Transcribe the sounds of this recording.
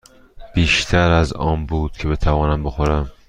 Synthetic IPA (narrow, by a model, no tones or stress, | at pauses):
b̥iːʃt̪ʰæɾæzɒ̰ːnbuːd̪̥̚kcʰe̞be̞t̪ʰævɒːnæmboxoɾæm